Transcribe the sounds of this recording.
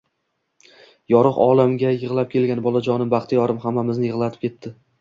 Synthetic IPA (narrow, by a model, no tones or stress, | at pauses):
jɒɾɨqɒ̰lˠamɡʲajɨʁlˠap̚kʲʰe̞lɡʲanbɒlˠad͡ʒɒnɪmbaχt̪ʰɪjɒɾɪmhamːamɪznɪjɪʁlˠat̪ʰɪ̥p̚kʲʰe̞t̪ːɪ